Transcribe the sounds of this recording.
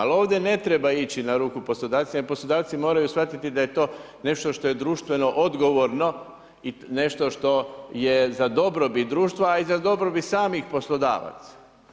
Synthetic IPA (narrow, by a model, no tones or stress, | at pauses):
a̰lo̞ːʋd̪ʲe̞ne̞t̪ɾebait͡ɕinaɾuːkupo̞slˠo̞d̪aːʋt̪simaposlˠod̪aːʋt̪simo̞ːɾajusʋat̪it̪id̪aje̞t̪o̞ː | ne̞ʃt̪o̞ʃt̪o̞jed̪ɾuːʃt̪ʋe̞no̞ʔod̪ɡo̞ʋoɾno̞ | ine̞ʃt̪o̞ʃt̪o̞jezad̪o̞bɾobit̪̚d̪ɾuːʃt̪ʋaizad̪o̞bɾobit̪saːmixpo̞slˠod̪a̰ːʋa̰t̪sḁ